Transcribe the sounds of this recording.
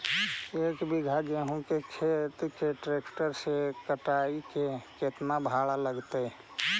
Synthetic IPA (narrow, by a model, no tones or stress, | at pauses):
eːkbɪɡʱad͡ʒeɦũkekʰet̪keʈɾeːkʈəɾsekəʈaːikeket̪mãbʱaːɭaləɡt̪e